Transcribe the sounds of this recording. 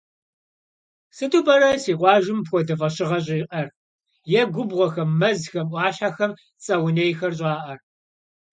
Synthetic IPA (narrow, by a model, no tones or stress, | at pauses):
sɨtubɐɾɐsiːqʷɑːʒɪmpxʷɔdɐfɐɕɪʁɐɕ̬ʼɪːqɐr | jɛɡʷʊbʁʷɔxɐmːɐzxɐmʔʷɑːɕaxɐm | t͡sʼɐwnejxɐrɕ̬ʼɑːʔɐr